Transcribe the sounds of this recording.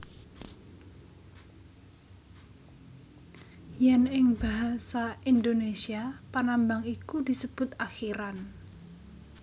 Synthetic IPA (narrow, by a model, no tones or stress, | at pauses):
jɛnɪŋb̥aɦasaind̪onesiapanambaŋikud̪i̤səb̥ʊt̪axiɾan